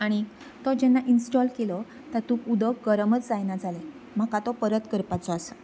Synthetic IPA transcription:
aɽ̃i | t̪ɔd͡ʑɛnːaʔinsʈɔlkelɔ | t̪at̪ũkud̪əkɡəɾəmət͡sd͡zajnad͡zale | m̤akat̪ɔpəɾət̪kəɾpat͡sɔasə

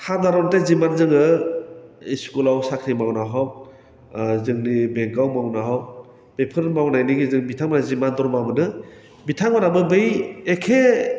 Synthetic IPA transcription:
haɾdaɾɔntezimanzɯŋɯ | iskulawsakʰɾimawnaɦɔw̚ | zɯŋnibeŋkawmawnaɦaw | b̥epʰɯɾmawnajniɡizɯŋbitʰaŋmanazimandɔɾmabɯnɯ | bitʰaŋmanabɯbɯjekʰe

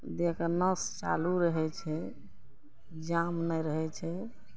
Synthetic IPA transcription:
d̪ekənəst͡ʃa̰luɾəɦɛt͡ʃʰɛ | d͡ʒamnɛjɾəɦɛt͡ʃʰɛ

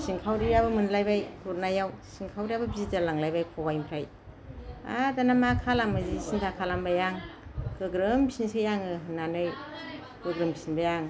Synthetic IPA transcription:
siŋkʰawɾijabɯmɯnlajbajkʰuɾnajawsiŋkʰawɾijabɐbizid͡ʒalaŋlajbajkʰɔbajimpʰɾaj | a̰danamakʰalamazisintʰakʰalambajaŋkɯɡɾɯmbisiŋsɯjaŋɯɦɯnːanɯj | kɯɡɾɯmbi̥sinbajaŋ

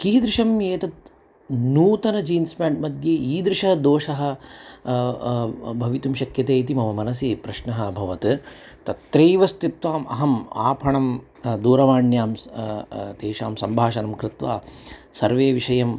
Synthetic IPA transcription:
kiːd̪ɾɪʃɐmjeːt̪ɐt̪̚ | nuːt̪ɐnɐd͡ʒiːnspaːɳʈmɐd̪ʱjeːiːd̪ɾɪʃɐɦɐd̪oːʃɐɦɐ̆ | bʱɐʋit̪umʃɐkjɐt̪eːt̪imɐʋɐmɐnɐs̬iːpɾɐʃnɐɦɐbʱɐʋɐt̪ | t̪ɐt̪ɾejʋɐst̪it̪ʋaːmʔɐ̰ɦɐma̰ːpʰɐɳɐm | d̪uːɾɐʋaːɳjaːm | t̪eːʃaːmsɐmbʱaːʃɐnɐmkɾɪt̪ʋa̰ːsɐɾʋeːʋiʃɐjɐm

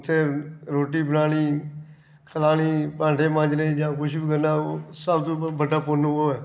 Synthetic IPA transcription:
t̪ʰːeːɾoːʈiːbənaːñiː | kʰəlaːniːpãːɳʈeːmãːd͡ʒneːd͡ʒãːkʊʃbiːkəɾnaːoːsəbt̪õːbəɖaːpʊnːoːɛː

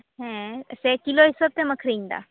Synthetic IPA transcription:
ɦɛ̃əsekiloɦisot̪ẽməkʰɾind̪a̰

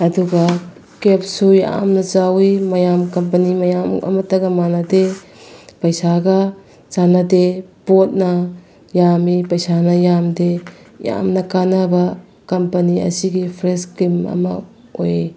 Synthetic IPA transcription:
ɐduɡɐ | kep̚suja̰mnɐt͡ʃawimɐjamkɐmpɐnimɐjamɐ̰mɐtːɐɡɐmanɐde | pɐjsaɡɐ | t͡ʃanadepot̚nɐ | jamipɐjsanɐjamdeja̰mnɐkanɐbɐ | kɐmpɐniɐ̰siɡipʰɾeskimɐ̰mɐ̰ | o̰je

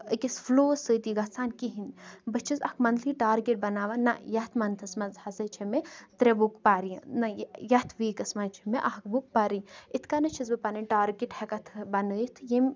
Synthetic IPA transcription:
əkʲisfloːsət̪iɡɐt͡saːnkiɦinbɨt͡ʃʰizɐkmɐnd̪liʈaːɾɡʲeʈ̚bɐnaːʋanajɐt̪ʰmɐnt̪ʰɐsmɐzhɐzɐt͡ʃʰemet̪ɾebukpaːɾiɐnɐjjɐt̪ʰʋiːkɐsmant͡ʃʰimeʔahkbuk̚paɾiit̪ʰkanɐt͡ʃʰizbɨpanɨʈaːɾɡʲeʈhekɐt̪ʰbɐnəjit̪ʰjem

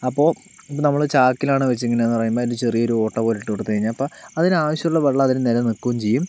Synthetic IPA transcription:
ɐpːo̞ː | nɐmːɐɭt͡ɕaːkːilaːɳɨʋet͡ɕːeŋːɐneenːɨpɐrɐjumboːndɨt͡ɕe̞rijɐo̞ɾuo̞ːʈːɐpo̞ːliʈːɨoʈːɨt̪ɐɻiɲːapːoːɐðinaːʋɐɕjɐuɭːɐʋɐɭːɐɐðinenelɐnikːuʋɐmt͡ɕejːum

